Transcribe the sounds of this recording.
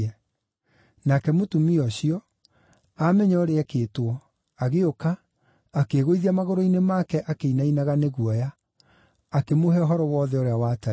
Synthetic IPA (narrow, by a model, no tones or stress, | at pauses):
ɛ | nakɛmotumiɔɕiɔ | amɛɲɔɔɾeɛkeːtwɔ | aɣeokaː | keɣoiðiamaɣoɾoinemakɛʔakeinainaɣaneɣwɔjaː | kemoɦɛɔɦɔɾɔwɔːðɛoɾeawata